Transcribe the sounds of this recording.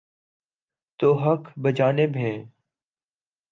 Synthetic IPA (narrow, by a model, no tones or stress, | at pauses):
t̪oːɦəkʰbəd͡ʒaːnebɦeː